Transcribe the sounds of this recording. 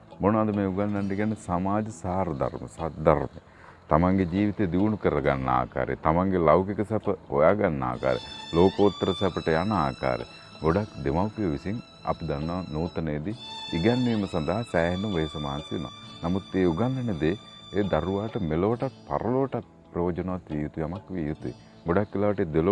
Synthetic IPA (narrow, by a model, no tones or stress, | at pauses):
monɐd̪ɐmeːuɡanːand̪iɡɛnːəsamaːd͡ʒɐsaːɾɐd̪a̰ɾmə̰sad̪aɾmḛ | t̪amaŋɡed͡ʒiːʋit̪ed̪iʋunukəɾɐɡanːɐa̰ːka̰ːɾḛt̪amaŋɡelɐwkikɐsɛpəhojaːɡanːa̰ːka̰ːɾḛloːkəut̪ːəɾəsɛpəʈəjana̰ːka̰ːɾḛ | ɡoɖakd̪emawpiɐʋisiŋ | ɐ̰pd̪anːɐʋanuːt̪ɐnejːd̪iiɡɛnːiːmɐsɐnd̪aɦasɛːɦend̪umʋesɐmaːnsiʋena̰ːnamut̪ːeːuɡanːɛned̪e | ed̪ɐɾuʋaːʈɐmeloʋʈat̪̚pa̰ɾɐloʋʈat̪̚pɾoːd͡ʒɐnɐʋat̪ʋiːjut̪uʋiɐmakʋijut̪uḛ | ɡoɽakːilaːʋɐʈed̪elo